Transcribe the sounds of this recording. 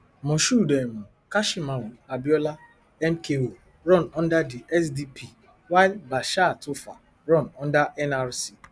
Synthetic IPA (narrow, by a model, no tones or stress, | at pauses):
mɔ̃ʃudɛmũ | kaʃimãwuabiɔla | ɛmkewo | ɾɔ̃nɔ̃ndadiʔɛsdipʰi | wailbaʃatofa̰ | ɾɔ̃nɔ̃ndaʔɛnaɾsi